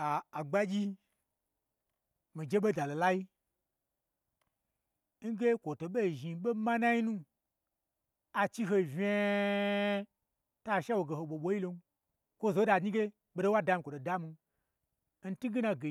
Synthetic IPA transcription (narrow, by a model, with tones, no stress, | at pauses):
a˨a˨ɡ͡ba˦ɡʲi˦ | mi˨d͡ʒe˦ɓe˦da˨lo˨la˦ji˦ | ŋ̩˦ɡe˦kʷo˨to˨ɓe˦˨ʒi˨ɓe˦ma˦na˦ji˦nũ˦ | a˨t͡ʃi˦ɦo˧vʲe˦ | ta˦˨ʃa˦wo˨ɡe˨ho˨ɓʷo˨ɓo˨˦ji˦lo˧n˦ | kʷo˦zo˨˦da˧˨ɲi˦ɡe˦ | ɓe˧do˦wa˦da˧mi˧kʷo˨do˨da˦mu˧ | n̩˦tu˦ɡi˦na˧ɡe˨